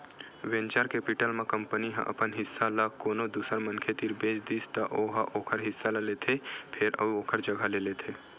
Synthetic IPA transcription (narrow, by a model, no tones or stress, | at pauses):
ʋẽnt͡ʃaɾkepɪʈəlmẽkə̃mpəniɦə̰̃ʔɐ̰pənɦɪsːalakoːnod̪uːsəɾmənkʰet̪iːɾbeːt͡ʃd̪iːst̪ɐʔoːɦaʔoːkʰəɾɦɪsːalelet̪ʰepʰɪɾə̰oːkʰəɾd͡ʒəɡʱəlelet̪ʰeː